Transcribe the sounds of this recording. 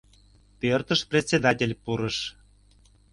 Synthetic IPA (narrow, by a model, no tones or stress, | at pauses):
pørt̪əʃprʲet̪ʲsʲed̪ɑtʲelʲpuɾəʃ